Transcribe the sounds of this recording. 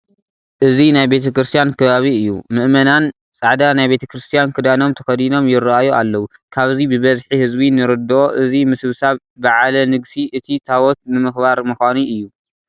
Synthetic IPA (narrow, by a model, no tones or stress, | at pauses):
ʔɨzinajbe̞t̪ʰɐkɾɨst̪ʰijankʰɐβaβiɨjːṵmɨʔmɐnan | t͡sʼaʕd̪anajbe̞t̪ʰɐkɾɨst̪ʰijankʰɨd̪ano̞mt̪ʰɐxɐd̪ino̞mjɪɾajuʔalːɐwu | kʰaβzibɨβɐzħihɨzbinɨɾɨd̪oʔɨzimɨsɨβsaβːɨʕalɐnɨɡsiʔɨt̪ʰit̪ʰawɔt̪̚nɨmɨxbaɾmɨxʷanuɨjːu